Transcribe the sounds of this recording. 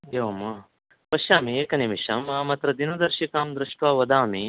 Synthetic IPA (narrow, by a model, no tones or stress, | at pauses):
eʋɐmɐ | pɐʃaːmieːkɐnimiʃɐmaːmɐt̪ɾɐd̪inɐd̪ɐɾʃikaːmd̪ɾɪʂʈʋaːʋɐd̪aːmi